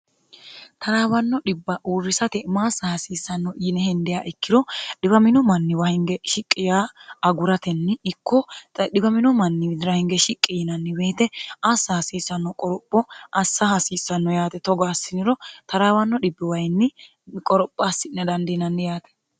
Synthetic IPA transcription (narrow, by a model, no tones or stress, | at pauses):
t̪ʰɐɾaːwɐnːɔɗɪbːɐʔuːrːɪsɐt̪ɛmaːsɐhɐsiːsːɐnːɔjɪnɛhɛnd̪ɛjaːʔɪkːɪd̪ɔɗɪbɐmɪnɔmɐnːɪwɐhɪŋɡɛʃɪkʼːɪjaːɐɡʊɾɐt̪ɛnːɪɪkːɔɗɪbɐmɪnɔmɐnːɪd̪ɪɾɐhɪŋɡɛʃɪkʼːɪjɪnɐnːɪbe̞ːt̪ɛʔasːɐhɐsiːsːɐnːɔkʼɔɾɔpʼːɔʔɐsːɐhɐsiːsːɐnːɔjaːt̪ɛt̪ɔɡaːsːɪnɪɾɔt̪ɐɾaːwɐnːɔɗɪbːɪwɐjnːɪ | kʼɔɾɔpʼːaːsːɪnɛd̪ɐnd̪ɪnɐnːɪjaːt̪ɛ̥